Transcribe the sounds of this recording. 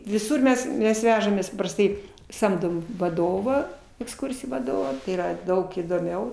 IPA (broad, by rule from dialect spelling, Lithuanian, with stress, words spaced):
ʋʲɪˈsʊr mʲɛs ˈmʲɛs ˈʋʲæːʒɐmʲeːs pɐprɐsˈtɐɪ ˈsɐmdoːm ʋɐˈdoːʋɑː ɛksˈkʊrʲsʲɪjuː ʋɐˈdoːʋɑː tɐɪ iːˈrɐ ˈdɐʊk iːdoːˈmʲɛʊ